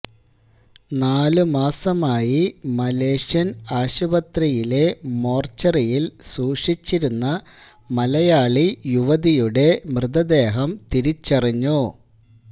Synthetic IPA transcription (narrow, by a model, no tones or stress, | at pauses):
naːlumaːsɐmaːjimɐle̞ːʂjɐnaːɕubɐt̪ɾɐjile̞mo̞ːrt͡ɕːɐrijilsuːʂit͡ɕːiɾunːɐ | mɐlɐjaːɭijuʋɐðijuɽe̞mrɨðɐd̪e̞ːɦɐmt̪iɾit͡ɕːɐriɲːu